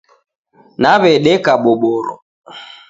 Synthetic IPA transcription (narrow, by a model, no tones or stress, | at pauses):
naβɛɗɛkaɓɔɓɔɾɔ̰